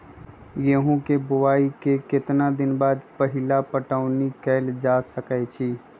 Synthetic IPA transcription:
jɐɦõkebʊwaːikekɪt̪nad̪ɪnbaːd̪pəɦɪlapəʈaːʊnikɛːld͡ʒaːsəkɛt͡ʃʰiː

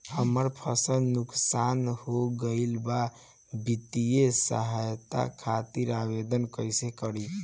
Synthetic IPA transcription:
həməɾpʰəsəlnuksanhoɡəɪlba | bit̪ijesə̰ɦajt̪a̰kʰat̪iɾaβed̪ənkəjsekəɾi

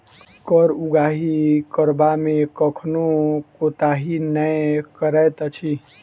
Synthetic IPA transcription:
kəɾuɡaːɦikəɾbamẽkəkʰnokot̪aɦinəjkəɾəjt̪ət͡ʃʰi

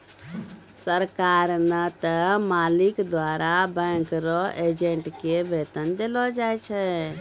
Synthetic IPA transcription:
səɾkaːɾnət̪əmaːlɪkd̪waːɾabɛ̃ŋkɾɔed͡ʒeɳʈkebeːt̪ənd̪elɔd͡ʒaːɛt͡ʃʰɛ

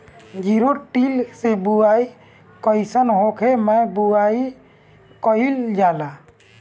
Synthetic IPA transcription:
ɡiɾuʈilsebuaj | kɔjsanɦɔkʰɛmajbuwaj | kɔjild͡ʒala

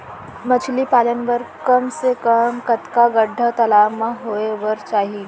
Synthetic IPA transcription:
mət͡ʃʰlipaːlənʋəɾkəmsekəmkət̪kaɡəɖʱːət̪ɐlaʋmãɦoeʋəɾt͡ʃaːɦi

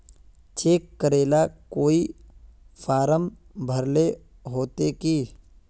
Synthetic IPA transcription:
t͡ʃeːkːəɾeːlakoːi | fʰaːɾəm | bʱəɾle | ɦoːt̪ekiː

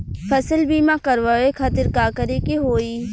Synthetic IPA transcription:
fʰɐsəlbiːmãkəɾʋaːekʰaːt̪ɪɾkaːkəɾekiɦoːiː

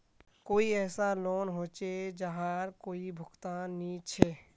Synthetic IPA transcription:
koːiɛːsaloːnɦoːt͡ʃed͡ʒəɦaɾkoːibʱʊkt̪aːnːit͡ʃʰeː

